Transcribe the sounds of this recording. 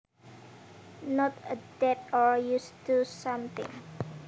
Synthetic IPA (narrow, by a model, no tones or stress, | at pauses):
nɔtədɛtɔɹjustusʌ̃mt̪ɪ̰̃ŋ